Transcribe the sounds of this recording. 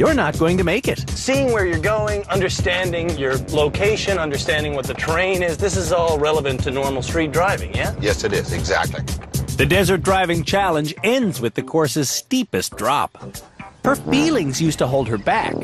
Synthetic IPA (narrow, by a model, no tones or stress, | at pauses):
jə˞nət̚ɡ̥oʊɪ̃ŋtɨmeɪkɪt̚siɪ̃ŋwə˞jə˞ɡoʊɪ̃ŋʌ̃ndə˞stæ̃ndɪ̃ŋjə˞loʊkʰeɪʃɨ̃nʌ̃ndə˞stæ̃ndɪ̃ŋwʌt̪̚ðɨtʰɹ̥ẽɪ̃nɪzðɪsɨzɔlˠɹɛlˠəvɨ̃ntʰɨnɔɹml̩ˠstɹ̥it̚dɹaɪvɪ̰̃ŋjæjɛsɨɾɪzɨ̰ɡzæ̰k̚tˡlḭðɨdɛzə˞t̚d̥ɹaɪvɪ̃ŋt͡ʃʰælˠə̃nd͡ʒɛ̃ndzwɨðɨkʰɔɹsɨz̥stipɨsd̥ɹɑ̰phə˞filˠɪ̃ŋzjʉstəɦoʊlˠd̚ə˞bæ̰k